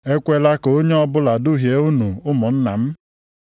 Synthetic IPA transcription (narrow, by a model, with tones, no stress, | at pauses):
e˦kʷe˦la˦ko˨o˦ɲe˦ɔ˦bʊ˦la˨du˦ɦje˨˦u˦nu˨ʊ˦mʊ˨n̩˦na˨m̩˦